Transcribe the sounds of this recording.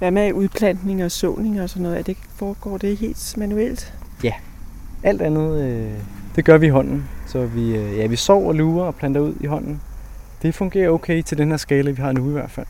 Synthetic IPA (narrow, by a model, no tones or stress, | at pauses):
ʋæmeʔuðˠpʰlæn̰d̥ne̝ŋɒ̽sɔ̰ʊne̝ŋɒ̽sɒ̽nːɔ̽ð̩ˠæd̥e̝ | fɒːɡ̥ɒ̰ːd̥e̝ɦe̝̰ːld̥mænuel̰d̥jæ | ʔæl̰d̥ænð̞̩ˠød̥e̝ɡ̥ɶɐʋiːɦɒ̽n̰n̩sɒ̽ʋiøjæʋisɒʊ̰ɒluːɐɒ̽pʰlænd̥ɐuð̞̰ˠiɦɒ̽n̰n̩ | d̥e̝fɔ̽ŋɡ̥e̝̰ːɐoʊkʰeɪt͡sʰe̝ld̥enheɐ̰sɡ̥ɛːləʋiɦɑ̈nuiʋæɐd̥fæl̰